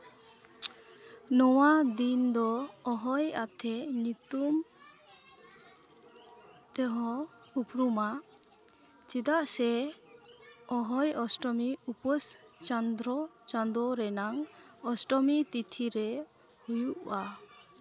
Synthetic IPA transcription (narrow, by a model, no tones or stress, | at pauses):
nɔwad̪ind̪ɔːɦɔjat̪ʰɛɲit̪um | t̪ɛɦɔ̃ | upɾuma | t͡ʃid̪aʔsɛ | ɔɦɔjɔsʈɔmiupɔst͡ʃand̪ɾɔ | t͡ʃand̪ɔɾɛnaŋɔsʈɔmit̪it̪ʰiɾɛ | hujuʔa